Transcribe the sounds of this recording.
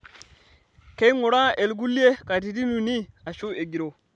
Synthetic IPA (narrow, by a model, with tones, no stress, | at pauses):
ke˦i˦ŋu˨ɾa˦e˨lɡu˦li˦e˦ka˨t̬i˨ti˦nu˨ni˦a˨ʃu˦e˨ɡi˨ɾo˨